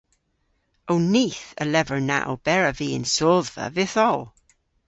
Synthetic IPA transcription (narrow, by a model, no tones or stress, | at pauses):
owniːθə̰lɛvəɹna̰ʔo̰b̥ɛɹəviːɪ̰̃nsɔðvə̰vɪθɔlˠ